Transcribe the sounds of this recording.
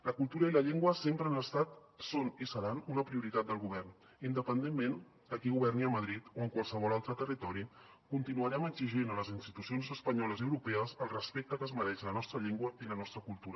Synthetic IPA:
ləkulˠt̪uɾəiləʎeŋɡwəsempɾənləst̪at̪sonisəɾanunəpɾiuɾit̪at̪̚d̪əlˠɣuβ̞ɛrn | ind̪əpənd̪emːen | d̪əkiɣuβɛrniəməð̞ɾit̪oəŋkwalˠsəβɔlalˠt̪ɾət̪ərit̪ɔɾi | kunt̪inuəɾɛməɡziʒinələzinst̪it̪usionzəspəɲɔləziəwɾupɛəzəlˠrəspek̚t̪əkəːzməɾɛʃlənɔst̪ɾəʎeŋɡwəilənɔst̪ɾəkulˠt̪uɾə

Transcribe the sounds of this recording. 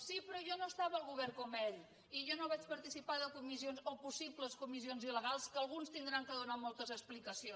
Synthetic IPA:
sipəɾɔʒɔnost̪aβəlˠɣuβɛɾkɔmɛʎ | iʒɔnoβat͡ʃpəɾt̪isipaðəkumizionzopusibləskumizionziləɣalˠskəlˠɣunst̪ind̪ɾaŋkəðunamɔlˠt̪əzəksplikəsio

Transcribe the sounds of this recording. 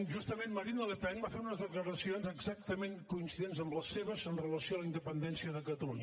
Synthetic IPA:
ʒust̪əmenməɾind̪ələpɛnbafeɾunəzðəkləɾəsionzəɡzakt̪əmeŋkuinsiðenzəmləsːeβəzənrələsioaləind̪əpənd̪ɛnsiəðəkət̪əluɲə

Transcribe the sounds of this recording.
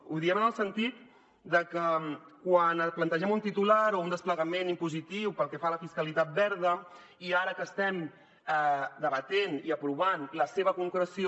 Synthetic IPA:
uðiɛmənəlˠsənt̪it̪̚ | d̪əkəkwanəplənt̪əʒɛmunt̪it̪ulaɾound̪əspləɣəmenimpuzit̪iwpəlˠkɛfaləfiskəlit̪at̪̚bɛɾð̞ə | iaɾəkəːst̪ɛm | ɛd̪əβət̪eniəpɾuβanləseβəkuŋkɾəsio

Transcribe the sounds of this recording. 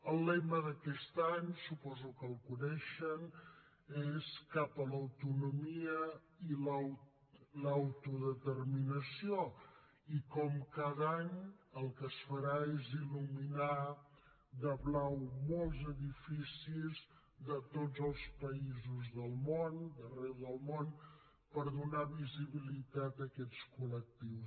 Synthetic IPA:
əlˠːɛməðəkɛst̪aɲsupɔzukəlˠkunɛʃən | eskapələwt̪unumiə | ilaw | lawt̪uðət̪ərminəsio | ikɔmkaðaɲəlˠkəsfəɾaezilumina | ðəβlawmɔlˠzəðifisiz | ðət̪ozəlˠspəizuzðəlˠmond̪ərɛwðəlˠmon | pəɾðunaβiziβilit̪at̪əkɛt͡skulək̚t̪iws

